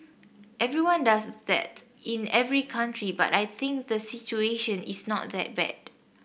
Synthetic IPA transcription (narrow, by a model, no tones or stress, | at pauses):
ʔɛvɹiwãndasðɛ̰tĩnɛvɹikʰãntʰɹiba̰tajθɪ̃ŋk̚d̪əsit͡ʃueʃə̃nisnɔ̰t̚ðɛ̰t̚bɛ̰d̚